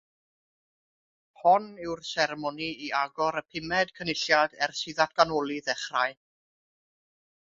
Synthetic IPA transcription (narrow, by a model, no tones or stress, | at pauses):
hɔnɪwrsɛɾɛmɔniiaɡɔɾəpʰɪmɛd̥kʰənɪɬjadɛrsɪðatɡ̥anɔlˠiðɛχraɨ